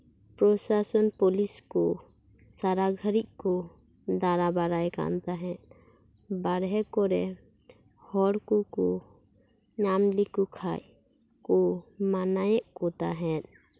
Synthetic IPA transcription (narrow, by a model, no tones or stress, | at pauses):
pɾɔsasɔnpɔliskɔ | saɾaɡʱəɾic̚ˀkɔ | d̪aɾabaɾajka̰nt̪aɦɛ̃ʔ̚ | baɾɦɛkɔɾɛ | hɔɽkukɔ | ɲamlikukʰaj | kɔmanajɛʔkɔt̪aɦɛ̃t̪